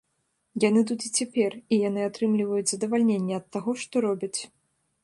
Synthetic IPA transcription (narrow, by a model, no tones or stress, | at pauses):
janɨt̪̬ut̪it͡sʲɛpʲɛrijanɨat̪ɾɨmlʲivɐjut͡sʲzɐd̪ɐvalʲnʲenʲːɛɐt̪ːaɣɔʂt̪ɔɾɔbʲɐt͡sʲ